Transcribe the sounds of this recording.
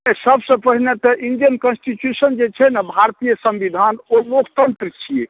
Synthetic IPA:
səbsə̃pəɦinet̪ɔʔind͡ʒənkənsʈit͡ʃjusənd͡ʒet͡ʃʰɛnabʱaɾt̪ijəsə̃mbid̪ʱanomukʰt̪ənt̪ɾət͡ʃʰije

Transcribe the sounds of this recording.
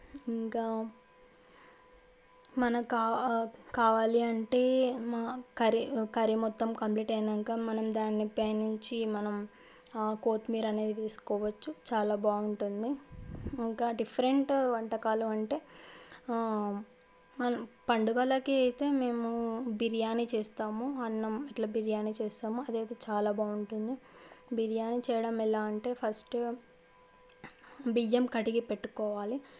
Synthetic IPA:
iŋkaː | mɐnɐmkaːkaːʋaːliɐɳʈe̞ːmaːkɐɾikɐɾimɔt̪ːɐmkɐmpliːʈɐjnd̪ɐŋkaːmɐnɐmd̪aːnːipɐjnːuɲt͡ʃimɐnɐm | ko̞ːt̪miːɾɐne̞ːd̪iʋeːsu̥kɔːʋɐt͡ʃːut͡ʃaːlaːbaːuɳʈund̪iː | ŋkaːɖipʰɐɾeɳʈʋɐɳʈɐkaːluɐɳʈe̞ː | mɐnɐmpɐɳɖuɡɐlɐkiɐjit̪e̞ːme̞ːmubiɾijaːnit͡ʃeːst̪aːmuɐnːɐmiʈlaːbiɾijaːnit͡ʃɛːsaːmuɐd̪eːjt̪eːt͡ʃaːlaːbaːuɳʈund̪ibiɾijaːnit͡ʃɛːjɐɽɐmilaːɐɳʈe̞ːpʰɐsʈ | bid͡ʒɐmkɐʈiɡipeʈːu̥kɔːʋaːli

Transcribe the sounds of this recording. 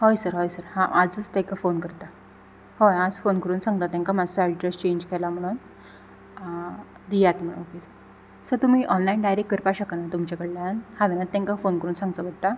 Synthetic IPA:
hojsəɾɦɔjsəɾhãʔad͡zət͡st̪ɛ̃kafonkəɾt̪a | hojad͡zfonkəɾuːnsãŋɡ̚t̪at̪ːɛ̃ŋkamad͡zsɔɛɖɾest͡ɕẽɲd͡ʑkʰɛlam̤əɽ̃uːn | d̪ijat̪m̤ə̃okesəɾ | səɾt̪um̤iːʔɔnlainɖajɾekkːəɾpaɕəkanat̪umt͡ɕakəɽlaanhaʋɛnat̪ːɛ̃ŋkafonkəɾuːnsãŋɡt̪əbəd̪t̪a

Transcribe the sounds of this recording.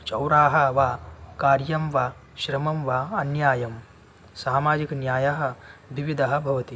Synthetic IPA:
t͡ʃɐwɾaːɦɐʋaːkaːɾjɐmʋaː | ʃɾɐmɐmʋaːɐnjaːjɐm | saːmaːd͡ʒiknjaːjɐɦɐ̆ʋiʋid̪ʱɐɦɐ̆bʱɐʋɐt̪i

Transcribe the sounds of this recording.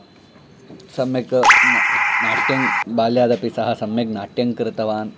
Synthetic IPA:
sɐmjɐk | naːʈjɐŋbaːljaːd̪ɐpisɐɦɐ̆sɐmjɐknaːʈjɐŋkɾɨt̪ɐʋaːn

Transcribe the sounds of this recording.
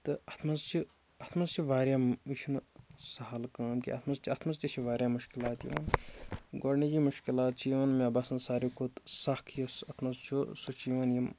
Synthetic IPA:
t̪ɨɐt̪ʰmɐzt͡ʃʰi | ɐt̪ʰmɐzt͡ʃʰiʋaːɾʲjaːmiʃʰunsɐɦɐlkãːmkḭɐ̰t̪ʰmɐzt͡ʃʰiɐt̪ʰmɐst̪ʲit͡ʃʰiʋaːɾjaːmuʃkilaːt̪jḭʋɐ̰nɡoɾnid͡ʒiːmuʃkilaːt̪t͡ʃiːʋɐnmʲabɐsɐnsaːɾikot̪sɐkʰjosɐt̪ʰmɐzt͡ʃʰusut͡ʃiːʋɐnjim

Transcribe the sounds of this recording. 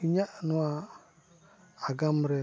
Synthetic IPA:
iɲaʔnua | ɡamɾɛ

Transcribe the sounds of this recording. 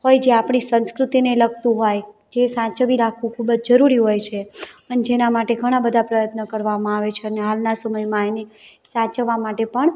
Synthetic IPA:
ɦojd͡ʒeapɳ̃isə̃nskɾut̪ineləɡ̚t̪ũɦojd͡ʒesãt͡ʃəʋiɾakʰʋũkʰubəd͡ʒd͡ʒəɾuɾiɦojt͡ʃʰeəned͡ʒenamaʈeɡʱəɽ̃abəd̪ʱapɾəjət̪nəkəɾʋamãaʋet͡ʃʰeəneɦalnasəməjmãene | sãt͡ʃəʋamaʈepəɳ

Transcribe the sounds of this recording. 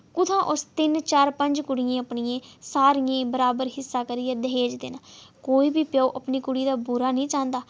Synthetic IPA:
kʊt̪ʰãːʔʊst̪ɪnt͡ʃaːɾpəɲd͡ʒkʊɽijãːəpɳijẽːsaːɾijẽːbəɾaːbəɾɦɪsːaːkəɾiːɛ̃ːd̪əɦeːd͡ʒd̪ḛːnãːkoːiːbiːpjaːuːʔəpniːkʊɽiːd̪aːbuɾaːnĩːt͡ʃãːnd̪aː

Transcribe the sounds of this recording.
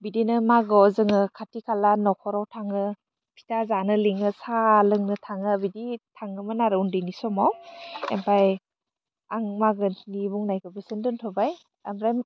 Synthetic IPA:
bidinɯmaɡɯɔzɯŋɯkʰatikʰalanɔkʰɔɾawtʰaŋɯ | pʰi̥tazanɯliŋɯsalɯŋnɯtʰaŋɯbiditʰaŋɯmɯnaɾɯundinisɔmawḛmpʰaj | aŋmaɡɯnibuŋnajkɯbɯsɯndɯntʰɔbaj | amɾajm

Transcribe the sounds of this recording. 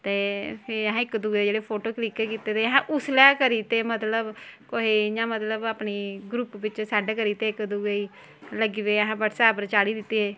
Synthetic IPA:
t̪eːpʰɪɾɦãːɪkːd̪uːɡed͡ʒeːɽeːpʰoːʈoːklikekiːt̪eːt̪eɦãʔʊslɛːkəɾiːt̪eːmət̪ləbkoɦijãːmət̪ləbaːpniːɡɾupbɪt͡ʃsaːɖekəɾiːt̪eːɪkd̪uːɡəiː | ləɡiʋeːəɦãːbəʈsaːpɾət͡ʃaːɽiːd̪ɪt̪ːiɦeː

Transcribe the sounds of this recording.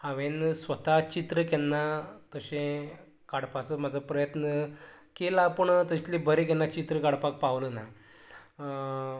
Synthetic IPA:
haʋẽnsʋət̪at͡ɕit̪ɾəkɛnːat̪əɕẽ | kaɽpat͡səm̤ad͡zʱəpɾəjət̪nə | kelapəɳt̪əɕt̪libʱəɾẽk̬ɛnːat͡ɕit̪ɾəkaɽpak̚paʋləna

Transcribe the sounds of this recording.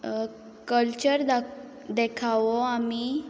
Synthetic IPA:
kəlt͡ɕəɾd̪a | d̪ekʰaʋoami

